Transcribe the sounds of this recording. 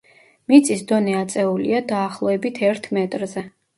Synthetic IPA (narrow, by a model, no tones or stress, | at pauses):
mit̪sʼisd̪ɔnɛat̪sʼɛulḭad̪aːχlˠɔɛbit̪ʰɛɾt̪ʰmɛt̪ʼɾzɛ